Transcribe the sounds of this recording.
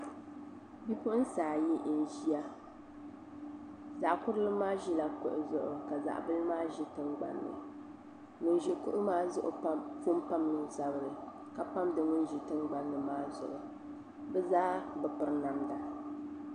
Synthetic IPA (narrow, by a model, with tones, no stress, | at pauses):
bi˦pʊ˦n̩˦saː˨ji˦ʔn̩˨ʒi˦a˦ | za˨ʔkʊ˦ɾlɨ˦maː˦ʒi˦la˨kʊ˦ʔʊ˨zʊ˦ʔʊ̰˨ka˨za̰˨ʔbɨ˦lmaː˦ʒi˦tɨ˦ŋɡ͡ba̰˨nːɨ̰˨ | ŋʊ˨nʒi˨kʊ˦ʔʊ˦maː˦zʊ˦ʔʊ˨˦fʊ˦m˦pa˦mnɨ˦nsa˨bɨ˦ɾɨ˨ | ka˨pa˦mdɨ˨ŋʊ˦n˦ʒi˨tɨ˦ŋɡ͡ba˨nːɨ˨maː˦zʊ̰˨ʔʊ˨ | bɛ˦zaː˦bɨ˨pɨ˦ɾna˨mda˨